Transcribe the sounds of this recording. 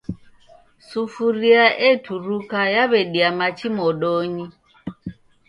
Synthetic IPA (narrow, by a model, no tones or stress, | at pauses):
sufuɾiaʔɛtʰuɾukajaβɛɗiamat͡ʃimɔɗɔɲi